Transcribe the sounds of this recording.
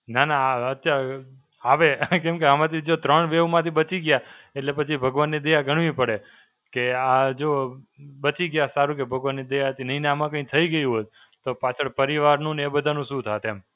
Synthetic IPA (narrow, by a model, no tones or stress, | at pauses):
nanaət̪ːja | aʋekẽmkeamãt̪ʰid͡ʒot̪ɾəɳʋeʋmãt̪ʰibət͡ʃiɡjaeʈlepət͡ʃʰibʱəɡʋanːid̪əjaɡʱəɳʋĩpəɽe | kead͡ʒobət͡ʃiɡjasaɾũkebʱəɡʋanːid̪əjat̪ʰinəɦinamãkə̃ĩt̪ʰəiɡəjũɦot̪ | t̪opat͡ʃʰəɭpəɾiʋaɾnũnebəd̪ʱanũʃũt̪ʰat̪em